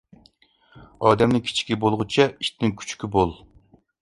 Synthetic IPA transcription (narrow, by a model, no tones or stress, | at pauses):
ɑːd̪ɛmnɪŋkʲʰi̥t͡ʃʰi̥kʲibolˠʁʊt͡ʃʰɛi̥ʃt̪nɪŋkʲʰy̥t͡ʃkʲibolˠ